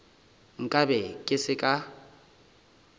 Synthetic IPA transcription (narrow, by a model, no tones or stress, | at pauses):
ŋ̩kʼabɛkʼɪsɪkʼa